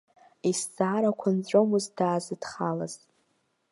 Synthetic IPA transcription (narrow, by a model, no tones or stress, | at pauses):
isd͡zaːɾakʷʰant͡sʷʼomuzdaːzɨdχalaz̥